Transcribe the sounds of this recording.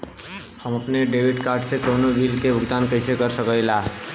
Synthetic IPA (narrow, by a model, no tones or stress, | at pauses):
həməpneɖeʋiɖkaɾʈsekonoʋilkebʱʊɡd̪ankəɪsekəɾsəkəjla